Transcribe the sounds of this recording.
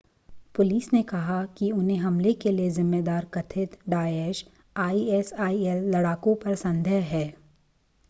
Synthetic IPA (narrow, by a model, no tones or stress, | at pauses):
pʊliːsnekɐɦakiʊnɦẽɦɐmlekeliezɪmːed̪aːɾkɐt̪ʰɪt̪ɖaːeːʃ | aːiɛsaːiɛlːɐɽaːkõpɐɾsɐ̃nd̪ʱɛɦɦɛː